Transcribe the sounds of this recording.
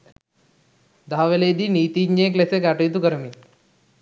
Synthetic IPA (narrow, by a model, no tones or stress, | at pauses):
d̪ʱaːʋeleːd̪iniːt̪iɲeklesek̬aʈujt̪̬ukɐɾmi